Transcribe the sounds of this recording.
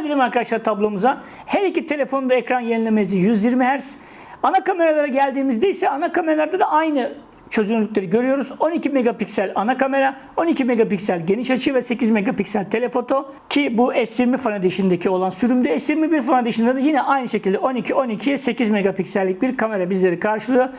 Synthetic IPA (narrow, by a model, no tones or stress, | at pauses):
bilʲimaɾkad̪aʃlˠaɾt̪ʰablˠo̞muza | hɛɾicit̪ʰe̞lʲe̞fonund̪aekɾanjeninlʲemezd̪ijyzjiɾmiɦæɾs | anakame̞ɾalˠaɾaɟælʲd̪iːmizd̪ejisɛanakameɾalˠaɾd̪ad̪aʔajnɯ | t͡ʃʰø̞zynylʲyc̚ʲlʲe̞ɾiɟø̞ɾyjo̞ɾuzo̞nicʰime̞ɡapicsælʲanakame̞ɾa | o̞nicʰime̞ɡapicsælʲɟeniʃat͡ʃʰɯvɛse̞cizme̞ɡapicsælʲt̪ʰe̞lʲe̞fo̞t̪ʰo̞ | cʰibuɛsjiɾmifanad̪eʃind̪ecʰio̞lˠansyɾymd̪ɛɛsjiɾmibiɾfanad̪eʃind̪ad̪ajinɛʔajnɯʃecʰilʲd̪ɛo̞nicʰio̞nicʰiɛse̞cizmeɡapicsælʲːic̚biɾkʰame̞ɾabizlʲe̞ɾikʰaɾʃɯlˠɯjo̞